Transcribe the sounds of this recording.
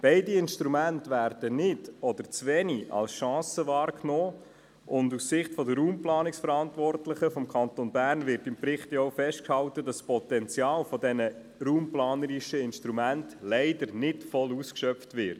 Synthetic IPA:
b̥ɛɪdiɪnʃtɾumæntʋæːɾd̥ənɪdɔd̥̪əɾt͡sʋɛniʔɑ̰lsʃɑ̃ːsəvɑːɾknoː | ʔʊndussɪχtfɔdəɾuːmplɑːnɪksfəɾɑntʋɔrtlɪχəfɔmkʰɑntonbæːrnvɪɾtɪmpɾɪχtjofɛʃt̚khɑltədɑspɔt̪ɛnt͡sjɑːlfɔdɛnə | ɾuːmplɑːnəɾɪʃəɪnʃtɾumæntlɛɪdəɾnɪtfɔluskʃœpftʋɪt

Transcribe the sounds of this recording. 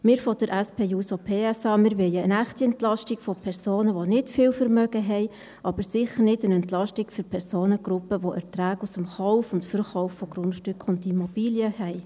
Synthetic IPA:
mɪːɾfɔd̥əɾʔɛspʰeːjuːsopʰeːɛsɑːmɪɾʋɛjəənæχtiɛntlɑʃtikfɔpʰɛrsoːnəʋonɪtfɪːlfəɾmœɡəɦɛɪ | ʔɑb̥əɾsɪχəɾnɪdənɛntlɑʃtikføɾpʰɛɾsoːnəɡ̥ɾʊpəʋoʔɛɾtræːɡusəmχɔʊfʊntfəɾχɔʊfːɔɡɾʊnʃtʏkʰʊndimɔb̥iːljəhɛɪ

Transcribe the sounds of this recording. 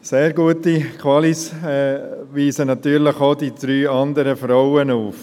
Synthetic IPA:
seːɾɡuətikʰwɑlis | ʋiːsənɑt̪yːɾləχodid̪̥ɾyːɑnd̪əɾəfɾɔʊənuːf

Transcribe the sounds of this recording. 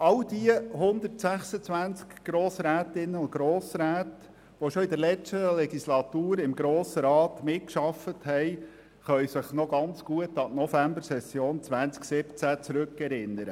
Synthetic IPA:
ɑld̪iəhʊnd̪ətsæχsət͡sʋænt͡skɡ̥ɾoːsɾæːtɪnːəʊnt̚ɡ̥ɾoːsɾæːt | ʋɔʃɔɪd̪əɾlɛt͡ʃtəlɛɡislɑt̪uːɾɪmɡɾoːsəɾɑːtmɪtkʃɑfəthɛj | χœʏsɪχnɔɡɑnt͡sɡ̥uətɑtnɔfæmbəɾsɛsjoːnt͡sʋænt͡sksɪpt͡sæt͡sɾɵkːɛɾɪnːəɾə

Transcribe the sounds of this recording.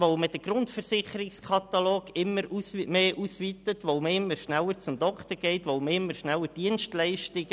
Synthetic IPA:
ʋoʊməd̥əɡɾʊntfəɾsɪχəɾɪkskʰɑt̪ɑloːɡɪmːəɾumeːʔusʋit̪ətʋoʊməɪmːəɾʃnælːəɾt͡sʊmd̥̪ɔkχt̪əɾɡ̥ɛɪtʋoʊməɪmːəɾʃnælːəd̥iənstlɛɪʃtɪɡ

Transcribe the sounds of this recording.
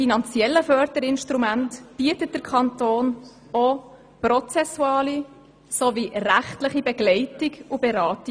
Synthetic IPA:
finɑnt͡sjɛlːəfœɾd̪əɾɪnʃtɾumæntb̥iətət̚d̥əɾkʰχɑntoːn | o | prɔt͡sɛsːuɑːli | soʋiræχtləχibɛɡlɛɪtiɡubɛɾɑːti

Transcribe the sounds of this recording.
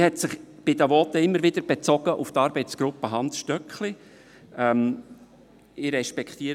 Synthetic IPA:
hɛtsɪχb̥ɪd̪əʋɔt̪əɪmːəɾʋɪd̪əɾb̥et͡sɔɡəʔʊft̪ɑːɾbɛɪtsɡ̥ɾʊpːəɦɑnsʃtœkχli | ɛm | ɪɾɛʃpɛkt̪iːəɾ

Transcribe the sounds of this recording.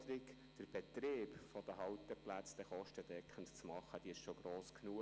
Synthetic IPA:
əɾɪk | d̥əɾb̥ɛt̪ɾeːpfɔd̥əɦɑwt̪əplæt͡sd̥ɛχɔʃtədɛkʰəntt͡smɑχːəd̥iːɪʃʃoɡ̥ɾoːsknuə

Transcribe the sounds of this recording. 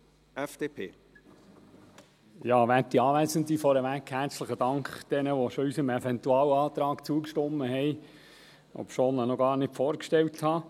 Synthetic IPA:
ɛfd̥eːpʰeː | jɑːʋætːiɑːʋæsənd̪ifɔɾəʋækhæɾt͡sləχəd̥ɑŋkχd̪̥ɛnəʋɔʃɔysəmɛfɛnt̪uɑːwɑːt̪ɾɑːkt͡suːəkʃtɔmːəɦɛj | ɔ̰pʃoːnənɔɡɑːɾnɪtfɔːɾkʃtɛlthɑ

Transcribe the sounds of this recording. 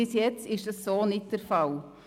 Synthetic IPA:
ɪsjɛt͡sɪʃd̥ɑsːoːnɪt̚d̥əɾfɑl

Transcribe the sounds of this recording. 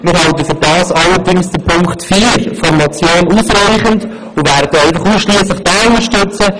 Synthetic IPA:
mɪːɾɦɑltəfyɾdɑːsɑləɾdɪŋsd̥əɾpʰʊŋkχtfiːɾfɔɾmɑt͡sjoːnuːsɾɛɪχənd | ʊʋæːɾd̥əɛɪfɑχuːsʃliəsləχd̥ɑːʊnd̪əʃtɵt͡sə

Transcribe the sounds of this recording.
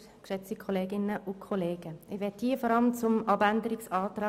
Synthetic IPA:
kʃɛt͡stikʰɔleːɡɪnːəʔʊkʰɔleːɡ̥əɪʋɛt̚d̥iːfɔɾɑləmt͡sʊmɑbændəɾɪksɑːtɾɑː

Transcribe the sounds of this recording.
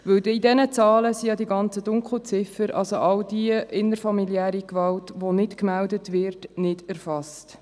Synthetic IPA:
ʋɵldidɛnət͡sɑːləsijɑdiɡɑnt͡sədʊŋkχl̩t͡sɪfəɾɑ̰lsoʔɑldiəɪnəɾfɑmiljæːɾikʋɑltʋonɪtkmældətʋɪrtnɪdæɾfɑst

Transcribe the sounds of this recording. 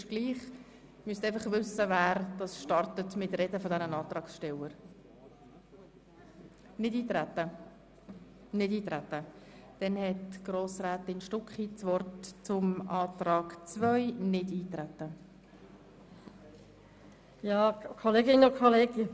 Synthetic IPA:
ʃɡ̥liːχ | myəsteɪfɑχvʏsəvæːɾd̥ɑsʃtɑrtətmɪtrɛdəfɔdɛnənɑːtrɑːksʃtɛwəɾ | nɪdiːtɾætːə | nɪdiːtɾætːəd̥ɛnhɛtɡ̥roːsraːtɪnʃtʊkχit͡svɔrtt͡sʊmɑːtɾɑːkt͡svœʏnɪdiːtɾætːə | jɑːkʰoleːɡɪnʊkʰoleːɡə

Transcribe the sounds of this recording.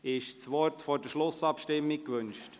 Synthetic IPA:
ɪʃsʋɔrtfɔːd̥əʃlʊsɑpʃtɪmːɪkʋʏnʃt

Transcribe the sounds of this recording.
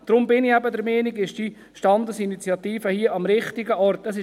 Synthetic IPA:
d̥ɾʊmbɪniæbəd̪əɾmɛːniɡɪʃd̥i | ʃtɑnd̪əsinit͡sjɑt̪iːfəhiəʔɑmɾɪχt̪ɪɡəɔɾt̪əsɪ

